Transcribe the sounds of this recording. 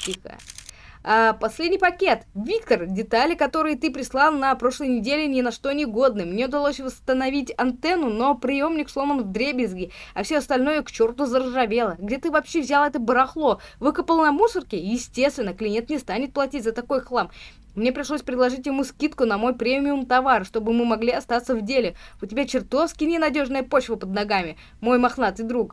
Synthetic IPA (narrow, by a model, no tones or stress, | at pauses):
tʲixə̰ | apɐsʲlʲedʲnʲɪjpɐkʲe̞t̪vʲikt̪ərdʲɪt̪alʲɪkɐt̪o̞ɾɨjt̪ɨpɾʲɪslˠalˠnɐpɾo̞ʂlˠəjnʲɪdʲelʲɪnʲɪnɐʂt̪o̞nʲɪɡo̞d̪nəmnʲeʊd̪ɐlˠo̞sʲvəst̪ənɐvʲitʲɐnt̪ɛnːʊno̞pɾʲɪjo̞mnʲɪkslˠo̞mənvd̪ɾʲebʲɪzɡʲɪɐfsʲoɐst̪ɐlʲno̞jəkt͡ɕort̪ʊzərʐɐvʲe̞lˠəɡdʲe̞t̪ɨvɐpɕːevzʲalˠɛt̪əbəɾɐxlˠo̞vɨkəpəlˠnɐmusərkʲɪjɪsʲtʲe̞st̪vʲɪnːəklʲɪnʲe̞nt̪nʲɪst̪anʲɪt̪̚plˠɐtʲitʲzət̪ɐko̞jxlˠam | mnʲepɾʲɪʂlˠosʲpɾʲɪd̪lˠɐʐɨtʲjɪmuskʲit̪kʊnɐmo̞jpɾʲemʲɪʊmt̪ɐvarʂt̪o̞bɨmɨmɐɡlʲiɐst̪at̪səvdʲelʲɪʊtʲɪbʲat͡ɕɪrt̪o̞fskʲɪjnʲɪnɐdʲo̞ʐnəjəpo̞t͡ɕvəpəd̪̚nɐɡamʲɪ | mo̞jmɐxnat̪ɨjd̪ɾuk